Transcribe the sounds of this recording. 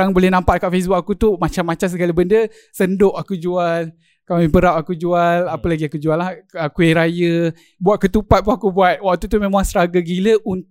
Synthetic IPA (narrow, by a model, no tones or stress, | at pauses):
aŋbolɛhnãmpaʔ̪̚kaʔfɛs̬buʔakut̪umat͡ʃamːãt͡ʃams̬əɡalibəndə | səndʊʔakud͡ʒual | kamipəɾapakud͡ʒualapəlaɡiakud͡ʒualahakueɾajə | buaʔ̪̚kət̪upat̪̚puakubuat̪̚wak̚t̪ut̪̬umẽmãŋsəɾaɡəɡiləʔun